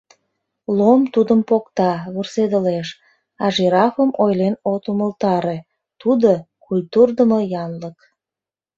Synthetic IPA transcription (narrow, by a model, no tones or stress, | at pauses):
lomt̪ud̪əmpokt̪ɑβursed̪əleʃ | ɑʒiɾɑfəmʔojlenot̪uməlt̪ɑɾe | t̪ud̪okulʲt̪urd̪əmojɑnlək